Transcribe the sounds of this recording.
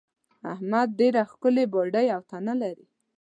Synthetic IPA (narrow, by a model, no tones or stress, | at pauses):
a̰hmad̪̚ːeɾaxkəleboɖəjawt̪analaɾi